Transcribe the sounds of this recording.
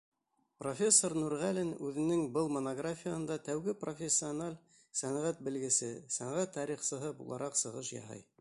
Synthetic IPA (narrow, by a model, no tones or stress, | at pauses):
profʲe̞sːornuɾʁælɘnʉðɘ̆nɘŋbɤlˠmonoɡrafʲijahɤnd̪ɑt̪æwɡɘprofʲesʲːɪonalʲ | sænʁæt̪̚bɘ̆lɡɘ̆sɘsæɴʁæt̪ʰːɑɾiχsɤ̆ɦɤbṵlˠɑ̰ɾʔɑqsɤ̆ʁɤʃjɑ̰ɦɤ̰j